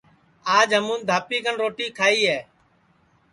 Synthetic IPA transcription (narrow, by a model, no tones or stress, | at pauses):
aːd͡ʒɦəmũːnd̪ʱaːpiːkəɳɾoːʈiːkʰaːiːɦeː